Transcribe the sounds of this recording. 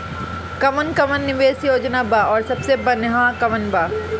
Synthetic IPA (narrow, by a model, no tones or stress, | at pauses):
kɐmənkɐmənːɪʋeːsjoːd͡ʒnaːbaɔːɾsɐbsebɐnɦãkɐʋənba